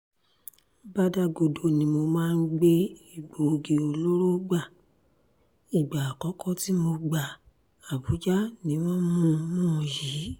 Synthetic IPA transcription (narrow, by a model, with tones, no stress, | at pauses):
ba˦da˧ɡo˧do˧nĩ˨˦mo˧mãː˦˧n̩˦ɡ͡be˦i˨ɡ͡bo˨ɡe˨o˨˧lo˦ɾo˦ɡ͡ba˦˨ | i˨ɡ͡ba˨a˨kɔ˨˦kɔ˦ti˦mo˧ɡ͡ba˨ | a˨bu˨˦d͡ʒa˦nĩ˨˦w̃ɔ̃˦mũ˦mũ˦˨ji˨˦